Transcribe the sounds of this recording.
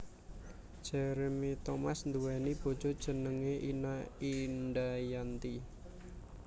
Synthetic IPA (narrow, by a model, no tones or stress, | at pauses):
d̥ʒ̥ɛɾemit̪ɔmasnd̪uwɛnib̥o̤d̥d͡ʒ̥o̤d̥ʒ̥ə̤nəŋeʔinainɖajant̪i